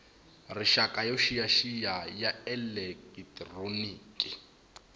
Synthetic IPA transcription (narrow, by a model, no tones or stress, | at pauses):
rɪʃakʼajɔʃijaʃijajaɛlɛkʼitʼroniːkʼi